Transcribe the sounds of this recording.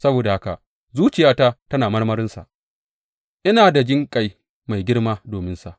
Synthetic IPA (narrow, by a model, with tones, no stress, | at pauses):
sɐ˦boː˨da˨ha˦ka̰˨ | zuː˦t͡ʃɪ˨jaː˦ta˦tɐ˦naː˨mɐ˦rmɐ˦ɾɪ˦nsa̰˨ʔ | ʔɪ˦naː˨da˨d͡ʒɪ˦ŋkʼa˨j | ma˨jɡʲɪ˦ɽmaː˦doː˨mɪ˦nsa˨ʔ